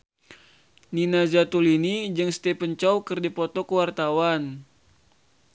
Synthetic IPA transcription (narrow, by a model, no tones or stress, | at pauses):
ninazat̪ulinid͡ʒɨŋst̪epəɲt͡ʃawkərdipɔt̪ɔkəwart̪awan